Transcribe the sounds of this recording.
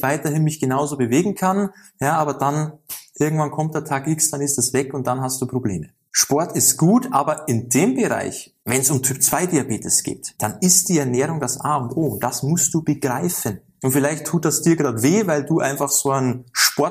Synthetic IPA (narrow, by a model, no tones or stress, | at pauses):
vaɪtɐhɪnmɪçɡ̥ənaʊzoːbəveːɡŋ̩kʰan | jaːaːbɐdanʔɪɐɡŋ̩tv̥ankʰɔmt̚d̥eːɐtʰaːkʔɪksd̥anɪstɛsv̥ɛkʊnt̚d̥anɦast̚d̥uːpʁ̥obleːmə | ʃpɔɐtɪstɡ̥uːtʔaːbɐɪndeːmbəʁa̰ɪç | vɛnsʊmtʰyːpt͡sv̥aɪdiːabeːtɪsɡ̥ḛːtd̥anɪstd̥iːɛɐnɛːʁʊŋdasʔaːʊntʔoːʊnt̚d̥asmʊst̚d̥uːbəɡ̥ʁaɪfən | ʔʊntfɪlaɪçtʰuːt̚d̥asd̥iːɐɡʁaːtveːvaɪlduːʔa̰ɪnfaχz̥oːanʃpɔɐt